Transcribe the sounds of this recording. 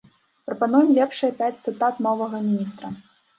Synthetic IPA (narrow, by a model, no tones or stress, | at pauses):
pɾɐpanujɛmlʲɛpʂɨjɐpʲat͡sʲt̪sɨt̪at̪nɔvɐɣɐmʲinʲist̪ɾɐ